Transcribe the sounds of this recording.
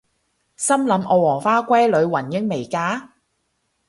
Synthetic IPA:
sɐ˥mlɐ˨˧mʔɔ˨˧wɔː˨˩faː˥kʷɐ˥jlɵ˨˧ɥwɐ˨˩njɪ˨˥ŋme˨˩jkaː˨˥

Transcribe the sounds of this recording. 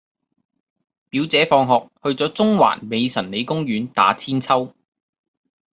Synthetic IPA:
piː˨˥wt͡sɛː˨˥fɔː˧ŋɦɔː˨k̚hɵ˧ɥt͡sɔː˨˥t͡sʊ˥ŋwa̰ː˨˩nme˨˧jsɐ˨˩nle˨˧jkʊ˥ŋjyː˨˥nt̪a̰ː˨˥t͡sʰiː˥nt͡sʰɐ˥w

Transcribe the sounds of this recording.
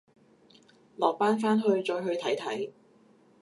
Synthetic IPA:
lɔː˨k̚paː˥nfaː˥nɦɵ˧ɥt͡ʃɔː˧jɦɵ˧ɥt̪ʰɐ˨˥jt̪ʰɐ˨˥j

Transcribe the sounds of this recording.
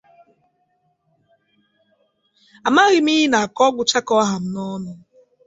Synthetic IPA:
a˨ma˦ɣi˨mi˦i˦na˨a˨kɔ˦ɡʷʊ˦t͡ʃa˦kɔ˦ɦa˨m̩˦nɔ˦nʊ˦

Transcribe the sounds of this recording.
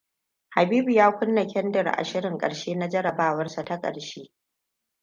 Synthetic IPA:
ha˨biː˦bu˨jaː˦kʷʊ˦nːa˨kʲɛ˦ndɐ˨rʔa̰˨ʃɪ˦ɽɪ˨ŋkʼɐ̰˨ɽʃeː˦na˦d͡ʒɐ˦ɽɐ˨baː˦wɐ˦rsa˨ta˦kʼɐ̰˨ɽʃeː˦

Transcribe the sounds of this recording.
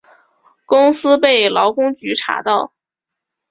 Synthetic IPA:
kʊ˥ŋsɹ̩˥pe˥˩ɪlɑ˧˥ʊkʊ˥ŋt͡ɕy˧˥ʈ͡ʂʰa̰˨˩˥t̪ɑ˥˩ʊ

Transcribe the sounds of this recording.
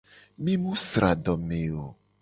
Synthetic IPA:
mĩ˦mũ˦sɾʔa˨ɖɔ˨me˨o˨

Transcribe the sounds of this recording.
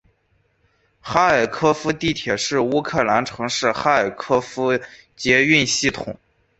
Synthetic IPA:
xa˥ə˞˨˩kʰɤ˥fu˧˥t̪i˥˩t̪ʰjɛ˨˩ʂɻ̩˥˩u˥kʰɤ˥˩la˧˥nʈ͡ʂʰɤ˧˥ŋʂɻ̩˥˩xa˥ə˞˨˩kʰɤ˥fu˥ | t͡ɕjɛ˧˥y˥˧nɕi˥˩t̪ʰʊ̰˨˩˦ŋ

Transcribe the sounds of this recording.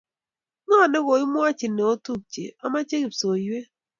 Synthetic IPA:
ŋɔ˦˨ne˦ɣo˨i˦mwɔ˦a˦t͡ʃi˨nːe˨o˦tu˦˨p̚t͡ʃḛ˨ɔ˦ma˦t͡ʃe˦ki˨pso˨jwe˦

